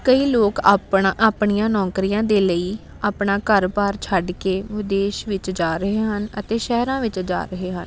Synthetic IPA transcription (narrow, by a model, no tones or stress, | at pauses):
kəiːloːka̰ːpɳaʔaːpɳijãːnɔ̃ːkɾijãːd̪eːləiː | aːpɳaːkəɾpaːɾt͡ʃʰəɖkeːʋɪd̪eːʃʋɪt͡ʃd͡ʒaːɾəɦeːɦənət̪eːʃɛːɾãːʋɪt͡ʃd͡ʒa̰ːɾəɦeːɦən